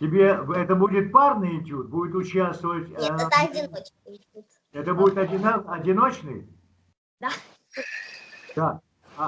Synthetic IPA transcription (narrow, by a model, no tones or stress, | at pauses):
tʲɪbʲeɛt̪əbudʲɪt̪̚parnɨjɪnʲtʲut̪̚budʲɪt̪ʊt͡ɕast̪vəvətʲɛɐdʲɪnot͡ʃ | ɛt̪əbudʲɪt̪ɐdʲɪnaɐdʲɪnot͡ɕnɨ̰j | d̪a | d̪a